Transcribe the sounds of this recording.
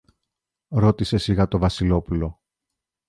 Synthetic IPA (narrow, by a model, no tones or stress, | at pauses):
ɾo̞t̪ise̞siɣɐt̪o̞vɐsilo̞pulo̞